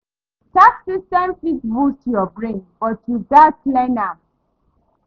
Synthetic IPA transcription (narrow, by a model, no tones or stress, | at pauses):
taksistɛ̃mfitbustujɔbɹẽnbɔtʰudatlɛna